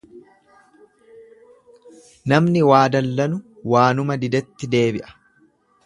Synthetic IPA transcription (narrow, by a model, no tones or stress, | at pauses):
nɐmnɪwaːd̪ɐlːɐnʊ | waːnʊmɐd̪ɪd̪ɛt̪ːɪd̪e̞ːbɪʔɐ̥